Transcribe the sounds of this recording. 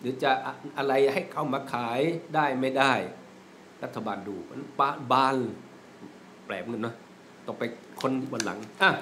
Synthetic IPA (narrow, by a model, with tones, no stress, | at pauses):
dɯ˨˦t͡ɕa˧˩ʔa˧ʔa˧ɾa˧jha˥˩jkʰa˧˥˩wmaː˧kʰaː˨˦jdaː˥˩jma˧˥˩jdaː˥˩j | la˦˧˩t̪ʰːa˧baː˨nduː˧˩mʰa̰˨˦npaː˧˩nbaː˧n˧˩ | plɛː˨˩p̚ŋɤ˧nːɔ˧˥˩ | t̪ɔː˨˩pːa˧j | kʰo˧˥˨nt̪ʰiː˧˩bɔː˧˦nla̰˨˩˦ŋʔaː˧˩